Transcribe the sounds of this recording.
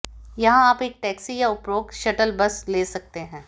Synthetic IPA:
jɐɦãaːpeːk̚ʈɛːksijaʊpɾoːkʃɐʈəlbɐsleːsɐk̚t̪eɦɛ̃ː

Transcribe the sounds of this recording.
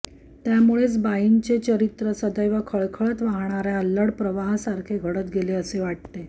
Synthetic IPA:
t̪jamuɭet͡sbaint͡ɕet͡ɕəɾit̪ɾəsəd̪əjʋakʰəɭkʰəɭət̪ʋaɦɳaɾjaəlːəɽpɾəʋaɦsaɾkʰeɡʱəɽət̪ɡeleəseʋaʈ̚t̪e

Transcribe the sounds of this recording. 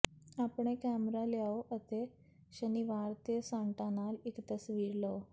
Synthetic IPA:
apɳ̃ekæmɾaljaoʔət̪e | ɕəniʋaɾt̪esãɳʈãnalekt̪əsʋiːɾləw

